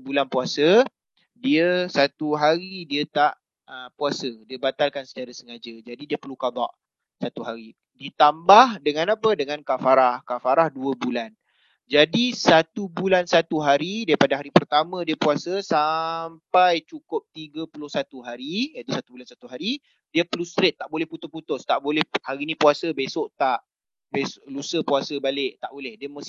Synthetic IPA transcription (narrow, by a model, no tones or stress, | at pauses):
bulanpuasə | diəsat̪uɦaɾidiət̪aʔ | əpuasədiəbat̪alkansə̥t͡ʃaɾasəŋad͡ʒəd͡ʒadidiəpərlukad̪a̰ʔ | sat̪uɦaɾi | dit̪ambahdəŋãnapədəŋankafaɾahkafaɾahduəbulan | d͡ʒadisat̪ubulansat̪uɦaɾidaɾipadaɦaɾipərt̪amə̃diəpuasəsampajt͡ʃukʊp̚t̪iɡəpulʊhsat̪uɦaɾijət̪usat̪ubulansat̪uɦaɾi | diəpəlust̪ɾet̪ːaʔbolɛhput̪ʊput̪ʊst̪aʔbolɛhhaɾinipuasəbesʊʔt̪aʔ | besʔlusəpuasəbalɪʔt̪aʔbolɛhdiəməs